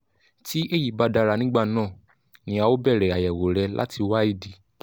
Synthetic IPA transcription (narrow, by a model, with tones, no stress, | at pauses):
ti˨˦ʔe˦˨ji˨ba˨˧da˧ɾa˧nĩ˦ɡ͡ba˦˨nãː˦˨ | nĩ˧˦a˧wo˦bɛ˦˨ɾɛ˨a˨jɛ˨wo˨ɾɛ˧lʔa̰˦ti˧wa˦i˦˧˨di˨˦